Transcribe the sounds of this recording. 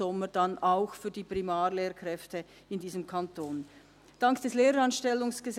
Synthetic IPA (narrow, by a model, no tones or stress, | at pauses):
ɔməd̥ɑnaʊxfyːɐdiːpʁimaːʁleːɾkʁɛftə | ɪndiːzəmkʰantoːn | d̥ɑŋkd̥ɛsleːɾɑnʃtɛlʊŋsɡ̥əz